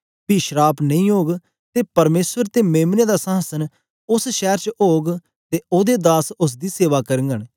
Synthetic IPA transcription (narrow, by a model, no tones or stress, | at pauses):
biːʃɾaːpnə̃ĩːoːɡ | t̪eːpɐɾmeːswəɾt̪eːmeːmneːd̪aːsə̃ɦəsən | ʊsʃɛːɾt͡ʃoːɡ | t̪eːoːd̪eːd̪aːsʊs̬d̪iːseːʋaːkəɾəŋɡəɽ